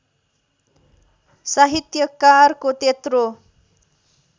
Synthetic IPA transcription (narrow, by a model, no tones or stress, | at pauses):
saɦit̪jəkarkot̪et̪ɾo